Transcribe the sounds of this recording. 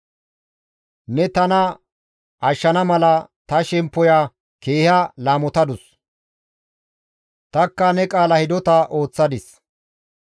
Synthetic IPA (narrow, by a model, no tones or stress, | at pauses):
nɛt̪ɐnɐ | ʔɐʃːɐnɐmɐlɐt̪ɐʃɛmpːɔjaː | ke̞ːhɐlaːmɔt̪ɐd̪ʊs | t̪ɐkːɐnɛkʼaːlɐhɪd̪ɔt̪ɐʔo̞ːt͡sːɐd̪ɪs